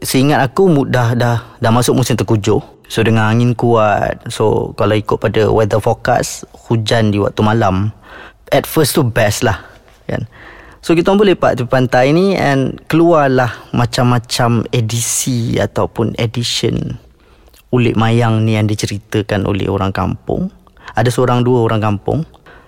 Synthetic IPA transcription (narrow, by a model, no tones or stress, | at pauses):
səiŋat̪̚akumudahdahdahmasʊk̚musɪmt̪ərkud͡ʒʊ | sodəŋãnaŋɪnkuat̪̚so̰kalaikʊʔ̪̚padawɛd̪əfɔka̰shud͡ʒandiwa̰k̚t̪umalam | ɛt̪̚fəst̪ubɛslah | ka̰nsokit̪ambolɛpa̰ʔt̪uppant̪ajniɛ̰̃nkəluarlahmat͡ʃamːat͡ʃamedisia̰t̪awpʊnediʃə̰n | ulɪ̰ʔmajaŋnijaŋdit͡ʃəɾit̪əkanʔo̰lɛ̰ho̰ɾaŋka̰mpʊ̰ŋ | adasəoɾaŋduəoɾaŋkampʊ̰ŋ